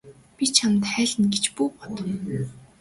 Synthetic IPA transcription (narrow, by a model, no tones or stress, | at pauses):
pit͡ɕʰamt̪χæːɮɘ̆nɡet͡ɕpuːpɔ̥t̪ɞ̆w